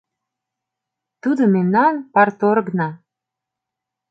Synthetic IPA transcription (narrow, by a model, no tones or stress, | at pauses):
t̪ud̪ŏmemnɑnpɑrt̪oɾɡnɑ